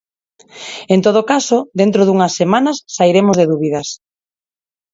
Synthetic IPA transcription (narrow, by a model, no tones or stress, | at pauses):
ent̪oð̞okasod̪ent̪ɾoðuŋasːemanɐsːaiɾemozðeðuβiðɐs